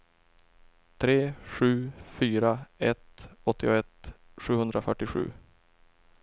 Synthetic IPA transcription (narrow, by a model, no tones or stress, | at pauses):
t̪ʰɾeːɧʉ̟ːfyːɾaɛt̪ɔt̪ʰːɪɔɛt̪ | ɧʉ̟ːhɵnd̪ɾafœʈːɪɧʉ̟̰ː